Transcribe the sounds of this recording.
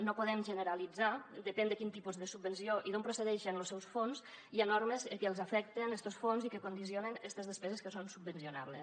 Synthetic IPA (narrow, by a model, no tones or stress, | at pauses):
nopuðɛmʒənəɾalid͡zad̪əpɛnd̪əkint̪ipuzðəsub̚bənsioʔiðompɾoseðɛʃənlosɛwsfonz | ianoɾmezəkəːlˠzafɛk̚t̪enest̪osfonzikəkund̪is̬ionənest̪əzðəspɛzəskəsonsub̚bənsiona̰βlḛ